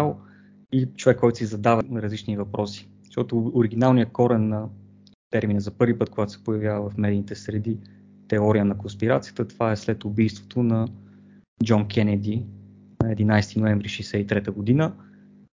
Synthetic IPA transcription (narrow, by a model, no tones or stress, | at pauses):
alˠ | it͡ʃovɛkːɔjt̪ʊ̥sizɐd̪avəɾɐzlit͡ʃnivɐpɾɔsi̥ | ʃt̪ɔt̪ʊːɾiɡ̟inalˠnijəkɔɾɛnːɐ | t̪ɛɾminəzɐpɤɾvipɤt̪̚koɡat̪ʊ̥sɛ̥pojɐvʲjavəvɐfmɛd̪init̪ɛsɾɛd̪i | t̪ɛɔɾijənɐkʊnspiɾat̪sijə̥t̪ət̪ovaɛslɛt̪ʊbijst̪vo̥t̪onɐ | d͡ʒɔnkʰɛnɛd̪i | nɐɛd̪inajst̪inoɛɱvɾiʃɛjsɛit̪ɾɛt̪əɡod̪inə